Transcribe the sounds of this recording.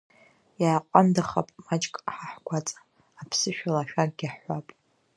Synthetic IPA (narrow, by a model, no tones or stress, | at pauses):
jaːqʷʼamdaχapʼmat͡ʃʼkʼħaħkʷʰat͡sʼḁ | apʰsɨʃᶣalaʃᶣaɡ̚ɡʲaħʷapʼ